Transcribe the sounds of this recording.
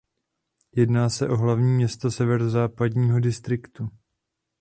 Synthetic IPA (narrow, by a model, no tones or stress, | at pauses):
jɛdnaːsɛʔo̞ɦlavɲiːmɲɛst̪asɛvɛɾozaːpadɲiːɦo̞dɪst̪ɾɪkt̪u